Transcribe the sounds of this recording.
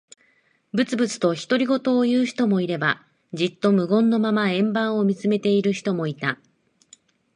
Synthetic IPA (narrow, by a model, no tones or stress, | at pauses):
bɯ̟t͡sɨbɯ̟t͡sɨ̥t̪o̞çi̥t̪o̞ɾʲiɡo̞t̪o̞ːjɯ̟ːçi̥t̪o̞mo̞iɾe̞ba | d͡ʑit̪ːo̞mɯ̟ɡõ̞nːo̞mamaẽ̞mbãɰ̃o̞mʲit͡sɨme̞t̪e̞iɾɯ̟çi̥t̪omo̞it̪a